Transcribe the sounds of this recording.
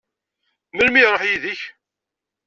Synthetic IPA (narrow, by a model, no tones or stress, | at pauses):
məlmiɾˤoħjiðəç